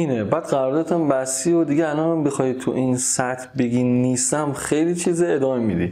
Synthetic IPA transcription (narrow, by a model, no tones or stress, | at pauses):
iːnebæːd̪ɢæɾɒːɾd̪ɒːt̪ʰæmbæsiːod̪iɟeælɒːnæmbexɒːjit̪ʰuʔinsæt̪ʰbeɡinːist̪æmxejlit͡ʃʰiːzeed̪ɒːmemid̪ḭ